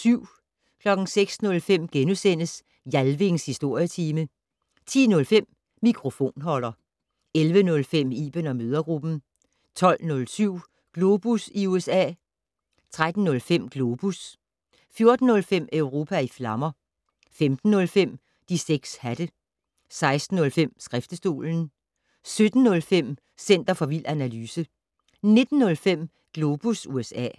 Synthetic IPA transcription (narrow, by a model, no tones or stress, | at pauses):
syʊ̰ | kʰlɒ̽ɡ̥n̩seɡ̥snɔ̽lfem̰ɡ̥enusenəs | jælʋe̝ŋshisd̥o̝ɐ̰jət͡sʰiːmə | t͡sʰḭːnɔ̽lfem̰ː | ikʰʁo̝fo̝̰ːnɦɒ̽l̰ɐ | elʋənɔ̽lfem̰ḭːb̥ənɒ̽møːð̞ˠɐɡ̥ʁub̥n̩ | t͡sʰɒ̽l̰nɔ̽lsyʊ̰ | ɡ̥lo̝ːb̥usiuesɛ̰ː | t͡sʰʁad̥n̩ːɔ̽lfem̰ɡ̥lo̝ːb̥us | fjo̝ɐd̥n̩ːɔ̽lfem̰øʊʁo̝ːpʰæiflɑ̈mɐ | femd̥n̩ːɔ̽lfem̰ | d̥iseɡ̥shæd̥ə | sɑ̈ɪsd̥n̩ɔ̽lfem̰sɡ̥ʁafd̥əsd̥o̝̰ːln̩ | sød̥n̩ːɔ̽lfem̰ | sen̰d̥ɐfɒ̽ʋil̰ʔænælyːsə | ne̝d̥n̩ːɔ̽lfem̰ | ɡ̥lo̝b̥usuesɛ̰ː